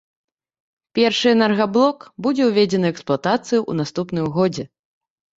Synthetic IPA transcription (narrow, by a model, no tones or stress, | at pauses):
pʲɛrʂɨɛnɛrɣablˠɔkbud͡zʲɛwvʲɛd͡zʲɛnɨɛksplˠat̪at̪sɨjuʔːnast̪upnɨmɣɔd͡zʲɛ